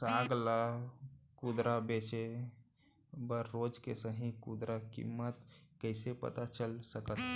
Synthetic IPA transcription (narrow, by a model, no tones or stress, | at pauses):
saɡla | kud̪ɾabet͡ʃe | bəɾːod͡ʒkesəɦĩkud̪ɾʔakḭmːət̪kəɪsepə̰t̪at͡ʃəlsəkət̪